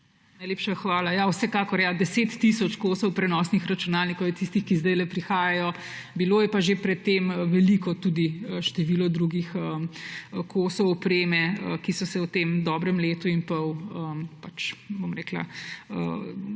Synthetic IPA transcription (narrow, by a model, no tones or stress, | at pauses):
najleːpʃaxʋaːlajawsɛkaːkɔɾjad̪ɛseːt̪ːisɔt͡ʃkosɔwpɾɛnɔsnixɾɐt͡ʃunaːlnikɔwjɛt̪ist̪ixkizd̪ɛjlɛpɾixaːjajɔ | biloːjɛpaʒepɾɛt̪ːeːmʋɛlikɔt̪ud̪iəʃt̪ɛʋiːlɔd̪ɾuɡixəəkʰosɔwɔpɾeːmɛəkisɔsɛwt̪eːmd̪ɔbɾɛmleːt̪uinpɐwəmpat͡ʃbomɾɛkla̰ə̰